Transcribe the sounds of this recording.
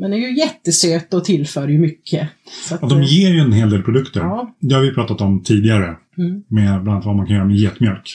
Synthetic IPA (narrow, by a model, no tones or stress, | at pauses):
mɛnd̪ɛɾjɵjɛt̪ːəsøːt̪ɔt̪ʰɪlfœːɾəjɵmʏkʰːəsaat̪̚d̪ɔmjeːɾɛnɦeːld̪eːlpʰɾʊd̪ɵkt̪əɾd̪ɛhaɾvɪpʰɾɑːt̪at̪ɔmt̪ʰiːd̪ɪɡaɾə | mɛbɾant̪vamankʰanjœːɾamɛjeːt̪mjœlk